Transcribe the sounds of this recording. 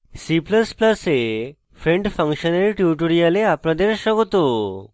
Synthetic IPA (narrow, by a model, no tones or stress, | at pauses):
sipləspləse | fɾẽɳɖfə̃ŋkɕənaɾiʈjuʈoɽijaleapnad̪eɾɕəɡt̪o